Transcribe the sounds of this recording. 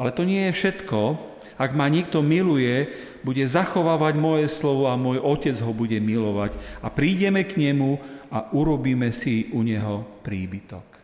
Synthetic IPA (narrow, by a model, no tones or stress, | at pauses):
alɛt̪ɔɲɪɛjɛfʃɛt̪kɔ | aɡmaɲɪɛk̚t̪ɔmilujɛ | buɟɛzaxɔʋaːʋaɟmɔjɛslɔʋɔamʊɔjʔɔcɛd͡zɦɔbuɟɛmilɔʋaɟapɾiːɟɛmɛkɲɛmuaʔuɾɔbiːmɛsiuɲɛɦɔpɾiːbit̪ɔ̰k